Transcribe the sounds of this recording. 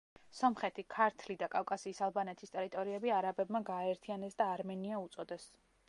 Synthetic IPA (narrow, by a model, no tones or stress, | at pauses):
sɔmχɛt̪ʰikʰaɾt̪ʰlid̪akʼafkʼasiːsalˠbanɛt̪ʰist̪ʼɛɾit̪ʼɔɾiɛbiaɾabɛbmaɡaːɛɾt̪ʰianɛsd̪aːɾmɛniaut̪sʼɔd̪ɛs